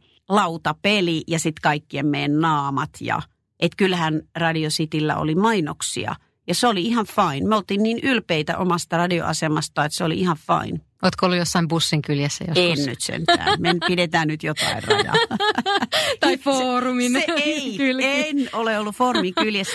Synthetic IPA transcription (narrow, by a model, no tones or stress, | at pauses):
lɑut̪ɑpelijɑsit̪kɑikːiemmejnnɑːmɑt̪jɑ̰ | ʔet̪kylhænrɑdiosit̪ilːæ̰o̰limɑinoksḭɑ̰ | jɑseoliihɑʋfɑinmeolt̪iːnniːnylpeit̪æ̰ʔomɑst̪ɑrɑdio̰ʔɑ̰semɑst̪ɑet̪seolḭihɑʋfɑ̰in | oːt̪koolːujosːɑimbusːiŋkyljæsːæ̰joenny̰t̪sḛnt̪æ̰ːmenpidet̪æːnnyt̪jot̪ɑ̰irrɑ̰jɑ̰ | t̪ɑifoːrumineeeikylenoleolːufoːrumiŋkyljæs